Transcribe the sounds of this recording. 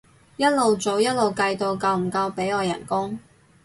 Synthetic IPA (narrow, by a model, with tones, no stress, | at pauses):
jɐ˥t̚lo˨wt͡so˨wjɐ˥t̚lo˨wkɐ˧jt̪o˨wkɐ˧wm̩˨˩kɐ˧wpe˨˥jɔː˨˧jɐ̰˨˩nkʊ˥ŋ